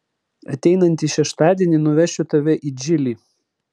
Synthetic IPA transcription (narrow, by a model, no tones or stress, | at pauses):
ɐ̰t̪ʲɛɪnɐnʲt̪ʲiːʃʲɛʃt̪ɑːd̪ʲiɛnʲiːˑnʊʋʲɛʃʲʊt̪ɐʋʲɛʔid͡ʒʲɪlʲiː